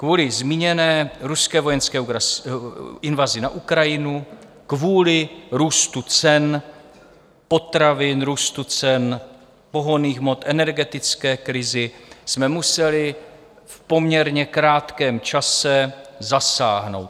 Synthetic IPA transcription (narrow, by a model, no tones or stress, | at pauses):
kvuːlɪzmiːɲɛnɛːɾuskɛːvo̞jɛnskɛː | ɪnvazɪnaʔukɾajɪnu | kvuːlɪɾuːst̪ut͡sɛn | po̞t̪ɾavɪnɾuːst̪ut͡sɛn | po̞ɦoniːxmo̞t̪ʔɛnɛɾɡɛt̪ɪt͡skɛːkɾɪzɪsmɛmusɛlɪ | fpo̞mɲɛɾɲɛkɾaːt̪kɛːmt͡ʃasɛzasa̰ːɦno̞̰wt̪